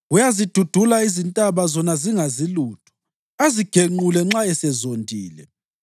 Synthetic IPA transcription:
ujazid̥ʱud̥ʱulaizintʼaβazɔnaziŋaziluːtʰɔ̥ | aziɡ̥ʱeŋ͡ǃulɛŋ͡ǁaɛsɛzondʱʼiːlɛ̰

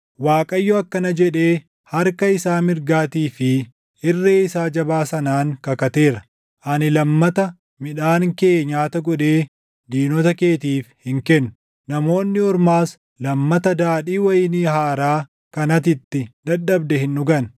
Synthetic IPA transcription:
waːkʼɐjːɔɐkːɐnɐd͡ʒɛᶑe̞ː | hɐɾkɐɪsaːmɪɾɡaːt̪iːfɪ | ɪrːeːɪsaːd͡ʒɐbaːsɐnaːŋkɐkɐt̪e̞ːɾɐ | ʔɐnɪlɐmːɐt̪ɐ | mɪᶑaːŋke̞ːɲaːt̪ɐɡɔᶑe̞ː | d̪iːnɔt̪ɐke̞ːt̪iːfhɪŋkɛnːʊ | nɐmo̞ːnːɪɔɾmaːs | lɐmːɐt̪ɐd̪aːɗiːwɐjɪniːhaːɾaː | kɐnɐt̪̬ɪt̪ːɪd̪ɐɗːɐbd̪ɛhɪnːʊɡɐn

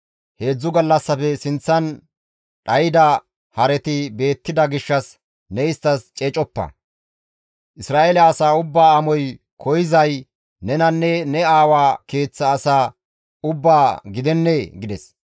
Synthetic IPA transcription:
he̞ːd͡zːʊɡɐlːɐsːɐpɛsɪnt͡sːɐn | ɗɐjɪd̪ɐ | hɐɾɛt̪ɪbe̞ːt̪ːɪd̪ɐɡɪʃːɐs | nɛɪst̪ːɐst͡ʃʼeːt͡ʃʼɔpːɐ̰ | ʔɪsɾaːeːlɛːsaːʊbːaːɐmɔj | kʰɔjɪzɐj | nɛnɐnːɛnɛaːwaːke̞ːt͡sːɐːsaː | ʊbːaːɡɪd̪ɛnːeɡɪd̪ɛs

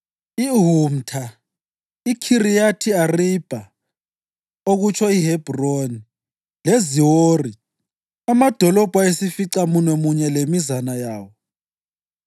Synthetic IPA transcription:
iɦum̩tʰa | ikʰirijatʰiarib̥ʱa | oɣut͡ʃʰɔiɦɛb̥ʱroni | leziwoːri | amad̥ʱɔlɔb̥ʱaesifiǀamunwɛmuɲɛlemizanajaːwɔ

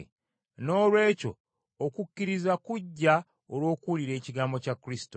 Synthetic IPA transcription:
no̞ːlwe̞ːco̞̰ː | kucːiɾizakuɟːa | olwo̞ːkuliɾe̞ːciɡaːmbo̞cakːuɾisi̥to

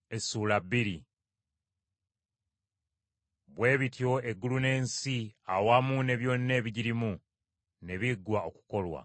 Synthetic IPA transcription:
e̞suːlabːiɾi | βwe̞ːβitijo̞e̞ɡːulune̞ːnsiawaːmune̞βjo̞ːnːeːβiɟiɾimu | ne̞βiɡwao̞ku̥ko̞lwa̰

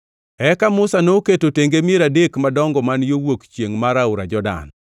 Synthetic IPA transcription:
ɛkamʊsanoketoteŋɡemeɾadekmadɔŋɡɔmanjowokt͡ʃjeŋmaɾaʊɾa̰d͡ʒɔda̰n

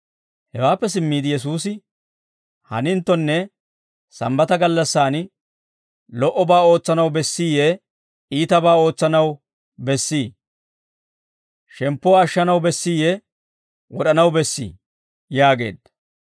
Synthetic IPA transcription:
hɛwaːpːɛs̬ɪmːiːd̪ɪjɛs̬uːs̬ɪ | hɐ̰nɪnt̪ːɔnːɛ | sɐ̰mbɐt̪ɐɡɐlːɐsːaːn | lɔʔɔbaːo̞ːt͡sːɐnɐwbɛsːiːjɛ | iːt̪ɐbaːo̞ːt͡sːɐnɐw | bɛsːiː | ʃɛmpːɔwːʃːɐnɐwbɛsːiːjɛ | wɔɗɐnɐwbɛsːḭː | jaːɡe̞̰ːd̪ɐ

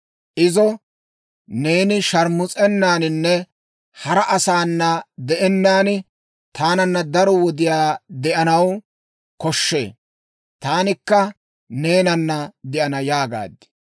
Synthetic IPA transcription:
ʔɪzɔ | ne̞ːnɪʃɐɾmʊt͡sʼɛnːaːnɪnːɛ | hɐɾɐʔɐsaːnːɐd̪ɛʔɛnːaːnɪ | t̪ʰaːnɐnːɐd̪ɐɾɔwɔd̪ɪjaːd̪ɛʔɐnɐw | kɔʃːḛː | t̪aːnɪkːɐ | ne̞ːnɐnːɐd̪ɛʔɐnɐjaːɡa̰ːd̪ːɪ̥

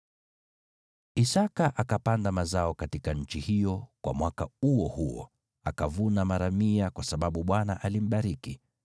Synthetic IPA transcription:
isakaʔakapandamazaɔkatikaɲ̩t͡ʃihijɔkwa̰mwakauɔhuɔ̰ | a̰kavunamaɾamiakwasaɓaɓuɓwanaʔalim̩ɓaɾiki

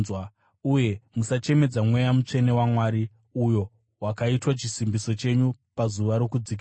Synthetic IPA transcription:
zwa | uje̞musat͡ʃe̞me̞d͡zamwe̞jamut͡ʂe̞ne̞wamwaːɾi | ujo̞ | wakaitwat͡ʃisimbiso̞t͡ʃe̞ɲupazuʋaɾo̞kud͡ziki

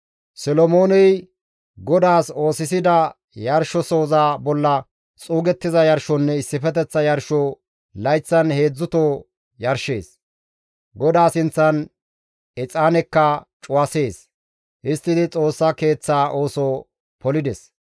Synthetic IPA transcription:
sɔlɔmoːnɛj | ɡɔd̪aːso̞ːsɪs̬ɪd̪ɐ | jɐɾʃɔso̞ːzaːbɔlːɐ | t͡sʼuːɡɛt̪ːɪzɐjɐɾʃɔnːɛɪsːɪfɛt̪ɛt͡sːɐjɐɾʃɔ | lɐjt͡sːɐnhe̞ːd͡zːʊt̪oː | jɐɾʃe̞ːs | ɡɔd̪aːsɪnt͡sːɐn | ɛt͡sʼaːnɛkːɐt͡ʃʼʊwɐse̞ːs | ʔɪst̪ːɪd̪ɪt͡sʼo̞ːsːɐke̞ːt͡sːaːʔo̞ːsoː | pɔlɪd̪ɛs

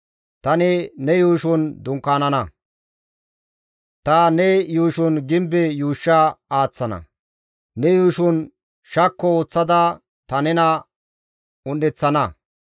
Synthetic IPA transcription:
t̪ɐnɪnɛjuːʃʊnd̪ʊŋkːaːnɐnɐ | t̪ɐnɛjuːʃʊnɡɪmbɛjuːʃːɐaːt͡sːɐnɐ̰ | nɛjuːʃʊn | ʃɐkːɔoːt͡sːɐd̪ɐ | t̪ɐnɛnɐ | ʊnːɛt͡sːɐnɐ

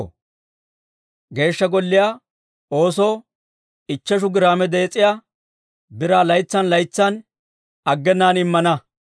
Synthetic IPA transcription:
ɡe̞ːʃːɐɡɔlːɪjaː | o̞ːsoː | ɪt͡ʃːɛʃ̬ʊɡɪɾaːmɛd̪ɛːt͡sʼɪjaː | bɪɾaːlɐjt͡sːɐnlɐjt͡sːɐn | ɐɡːɛnːaːnɪmːɐnɐ

